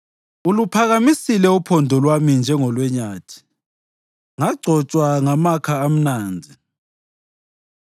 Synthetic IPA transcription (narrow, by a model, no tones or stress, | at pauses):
ulupʰaɣamisilɛupʰɔndʱɔlwamind͡ʒʱɛŋɔlwɛɲaːtʰi̥ | ŋaɡ͡ǀʱɔt͡ʃʼwaŋamakʰaːm̩naːnd͡zʱi